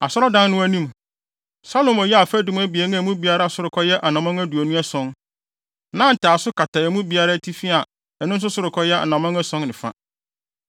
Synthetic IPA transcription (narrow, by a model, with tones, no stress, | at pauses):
a˨sɔ˦ɾɔ˦dã˦n˦nʊ̃˦æ˦nĩ˦m | sa˦lo˨mɔ˨jɛ˦a˨fæ˦dũ˦m˦æ˦bi˨ɛ˨nɪ̃˦æ˨mũ˦bi˨a˨ɾa˦a˦˨sʊ˦ɾʊ˨kʰɔ˦jɛ˦ʔa˨nã˨mɔ̃˦ŋæ˦du˨æ˨nũ˦ɛ˦sɔ̃˦n | nã˦n̩˨tʰaː˨sʊ˦ka˨tʰa˨ɛ˨mũ˦bi˨a˨ɾa˦tʰi˦fi˦a˨ | ɛ˨nʊ̃˦n̩˦sʊ˦sʊ˦ɾɪ˨kʰɔ˦jɛ˦ʔa̰˨nã˨mã˦ŋæ˦sɔ̃˦nnɪ̃˨fa̰˦